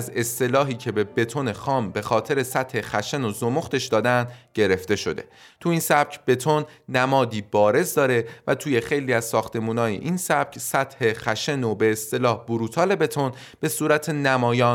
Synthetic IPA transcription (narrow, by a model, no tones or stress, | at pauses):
æze̞st̪e̞lɒːɦiːcʰe̞be̞be̞t̪ʰo̞nexɒːmbe̞xɒːt̪ʰe̞ɾe̞sæt̪he̞xæʃenozomoxt̪e̞ʃd̪ɒːd̪ænd̪ɟe̞ɾe̞ft̪e̞ʃo̞d̪e̞t̪ʰuiːnsæb̥̚cʰb̥e̞t̪ʰonːæmɒːd̪iːb̥ɒːɾe̞zd̪ɒːɾevæt̪ʰuːje̞xe̞jliːæz̥sɒːxt̪e̞muːnɒːjḛʔinsæb̥̚cʰsæt̪ʰhe̞xæʃenobe̞ːst̪e̞lɒːhb̥uɾuːt̪ʰɒːle̞be̞t̪ʰo̞n | b̥e̞suːɾæt̪ʰe̞næmɒːjɒːn